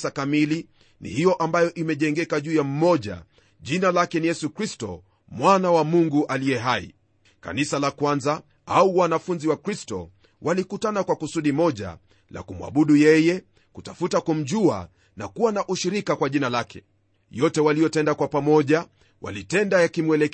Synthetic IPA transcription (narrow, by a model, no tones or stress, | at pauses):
sakamili | nḭhijɔʔambajɔʔimɛʄɛŋɡɛkaʄuːjam̩mɔʄa̰ | ʄinalakɛnijɛsukɾistɔ̰ | mwanawamuŋɡuʔalijɛɦaḭ | ka̰nisalakwanza | auwanafunziwakɾistɔ̰ | wʔalikutanakwakusuɗimɔʄa̰ | la̰kumwa̰ɓuɗujɛjɛ | kutafutakum̩ʄua̰ | nakuwanaʔuʃiɾikakwaʄinalakɛ̰ | jɔtɛwalijɔtɛndakwapamɔʄa | wʔa̰litɛndajakimwɛlɛ